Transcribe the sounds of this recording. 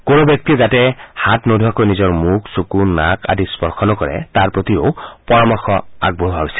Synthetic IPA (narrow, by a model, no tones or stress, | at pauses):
koɹobjɔk̚tiɔzatɛhatnodʱuakojnizɔɹmukʰsukunakʰa̰dispɔɹxʰɔnɔkɔɹɛ̰taɹpɹot̪iopɔɹamɔxɔa̰ɡ̚boɦɦaɦojsi